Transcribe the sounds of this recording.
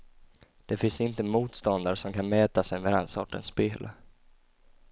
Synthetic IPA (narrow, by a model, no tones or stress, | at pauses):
d̪̥ɛfɪnsɪnt̪əmuːt̪st̪ɔnd̪aɾʂɔmkʰanmɛːt̪asɛjmɛd̪ɛnsɔʈːə̰nspeːlʔ